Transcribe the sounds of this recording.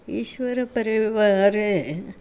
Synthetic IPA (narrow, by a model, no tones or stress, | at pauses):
ḭʃʋɐɾɐpɐɾiʋaːɾe